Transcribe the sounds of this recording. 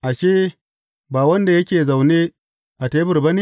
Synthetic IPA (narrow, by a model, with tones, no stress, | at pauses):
ʔa˨ʃeː˦ | baː˨wɐ˦nda˨jɐ˦kʲeː˨za˨wneː˦ | ʔa˨teː˦bɪ˦˨rbɐ˦ni˦